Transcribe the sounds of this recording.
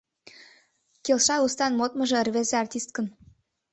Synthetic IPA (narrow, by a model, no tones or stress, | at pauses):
kelʃɑust̪ɑnmot̪mɤ̆ʒĕrβezeɑrt̪ʲist̪̚kən